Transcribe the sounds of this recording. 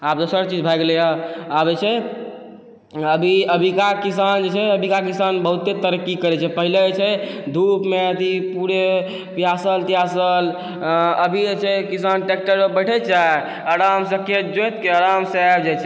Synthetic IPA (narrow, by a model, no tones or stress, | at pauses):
ap̚d̪osəɾt͡ʃid͡ʒbʱajɡelejaabd͡ʒet͡ʃʰɛ | əbʱiəbʱikakis̬and͡ʒet͡ʃʰɛəbʱikakisanbəɦut̪ːet̪əɾəkːikəɾɛt͡ʃʰɛpəɦilet͡ʃʰɛd̪ʱupmeət̪ʰipuɾe | pjasəlt̪iasəl | əbʱid͡ʒet͡ʃʰɛkisanʈek̚ʈəɾbəjʈʰɛd͡ʒa | əɾamsəkʰjəd͡ʒõt̪keəɾamsabd͡ʒet͡ʃʰɛ